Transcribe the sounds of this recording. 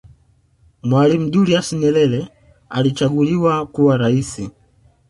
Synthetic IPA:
mwalim̩ɗuɾiasiɲɛlɛlɛ | a̰lit͡ʃaɡuliwakuwaɾaisi

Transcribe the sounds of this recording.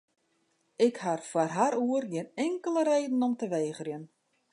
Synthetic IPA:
ɪkharfwarɦaɾuərɡɪənɛŋkələreːdn̩ɔmtəʋeːɣərjən

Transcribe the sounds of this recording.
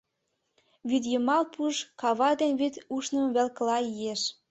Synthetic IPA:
βyd̪jəmɑlpuʒkɑβɑd̪enβyt̪uʃnəmβelkəlɑijeʃ

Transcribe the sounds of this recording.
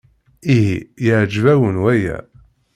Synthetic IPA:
iɦijəʕd͡ʒvæwənwæjæ̰

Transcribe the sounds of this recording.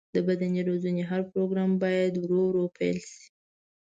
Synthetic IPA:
d̪̥əbad̪aniɾozuneɦaɾpɾoɡɾɑmbɑjad̪wɾowɾopʰa̰jlʃi̥

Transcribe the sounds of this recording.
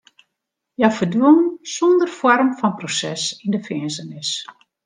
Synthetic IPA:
jafərduənsondərfɔrmfɔnprosɛsindəfɛənsənɪs

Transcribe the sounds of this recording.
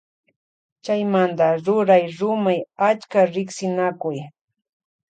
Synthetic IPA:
t͡ʃajmant̪aɾʊɾajɾʊmajat͡ʃkaɾɪksɪnakʊj

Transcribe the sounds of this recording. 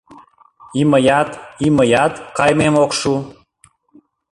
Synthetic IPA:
iməjɑt̪iməjɑt̪kɑjmemokʃu

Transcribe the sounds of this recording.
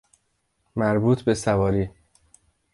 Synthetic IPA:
mæɾbuːt̪ʰbe̞sævɒːɾiː

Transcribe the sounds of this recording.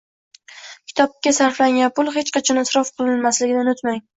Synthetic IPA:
kʲʰɪ̥t̪ʰɒp̚kʲasaɾflaŋʲanpʊlˠɦe̞t͡ʃqɑt͡ʃʰɒnasɾɒfqʰɨlˠɪnmaslɪɡʲɪd̪anot̪maŋ

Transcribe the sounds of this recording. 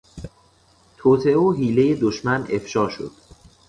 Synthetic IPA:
t̪ʰoːt̪ʰeʔeoɦiːle̞jed̪oʃmænʔe̞fʃɒːʃo̰d̪̥

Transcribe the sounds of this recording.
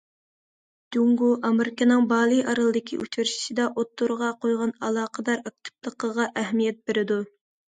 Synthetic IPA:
d̪uŋɡuʔɑmeɾɪkʲɑnɨŋbɑːlˠɨjʔɑɾɨlˠɨd̪ɪkʲʰḭʔṵt͡ʃɪɾʃi̥ʃid̪ɑʔot̪ːuɾʁɑqʰojʁɑnɑlˠɑːqʰəd̪ɑɾɑk̚t̪ʰɪ̥plˠəqəʁɑʔæɦmijɛt̪̚beɾɪd̪u

